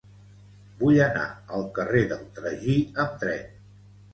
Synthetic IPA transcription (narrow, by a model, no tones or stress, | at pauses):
bujəna̰əlˠkəreðəlˠt̪ɾəʒiəmt̪ɾɛn